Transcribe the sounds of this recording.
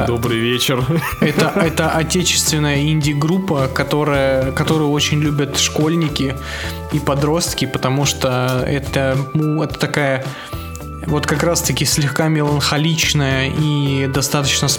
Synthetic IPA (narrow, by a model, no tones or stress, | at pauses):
d̪obɾɨjvʲet͡ɕɪr | ɛt̪əɛt̪əʔɐtʲet͡ɕɪ̥st̪vʲɪnːəjəinʲdʲɪɡɾupːəkɐt̪o̞ɾəjəkɐt̪o̞ɾɨjo̞t͡ɕɪnʲlʲubʲət̪ʂko̞lʲnʲɪkʲɪ | ipɐd̪ɾo̞st̪kʲɪpət̪ɐmuʂt̪oɛ̰t̪ənuɛt̪ə̥t̪ɐkajə | vo̞t̪kɐkɾast̪əkʲɪsʲlʲɪxkamʲɪlˠənxɐlʲit͡ɕnəjəʔid̪ɐst̪at̪ət͡ɕnəs